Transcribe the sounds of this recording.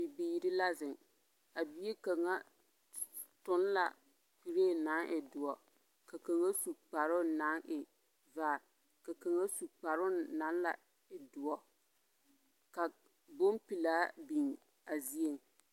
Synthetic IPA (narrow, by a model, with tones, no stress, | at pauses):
bɪ˨biː˨ɾɪ˦la˦zɪ˨ŋ | a˨bi˦e˦ka˨ŋa˦ | tʊ˨˦n˦la̰˨ | k͡pi˨ɾe˦˨na˨˦ŋʔɪ˨dʊ˨ɔ˦ | ka˨ka˨ŋa˦su˨k͡pa˨ɾʊ˦na˨˦ŋʔɪ˨ | vaː˦˨ | ka˨ka˨ŋa˦su˨k͡pa˨ɾʊ˦na˨˦n˦la̰˨ | ɪ˨dʊ˨ɔ˦ | ka˨ | bo˦mpi˨laː˦bi˨ŋ | a˨zi˦e˨ŋ˨